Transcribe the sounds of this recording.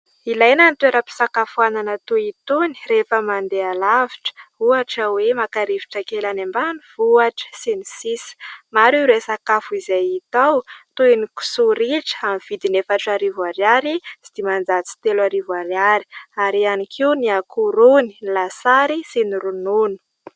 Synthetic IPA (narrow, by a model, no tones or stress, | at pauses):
ilajnanit̪ueɾəpi̥sakafuananat̪uit̪uni̥refəmand̪ealaviʈ͡ʂə̥uaʈ͡ʂəwemakaɾivi̥ʈ͡ʂakelanambanuvuaʈ͡ʂə̥sinisisi̥maɾuɾesakafuizajit̪awt̪uiniku̥suɾiʈ͡ʂə̥amiv̥id̪inefaʈ͡ʂaɾivuaɾjaɾizi̥d̪̥imand͡zat͡si̥t̪elaɾivuaɾjaɾi̥aɾianikʰiwniakʰuɾuni̥lasaɾisiniɾununu̥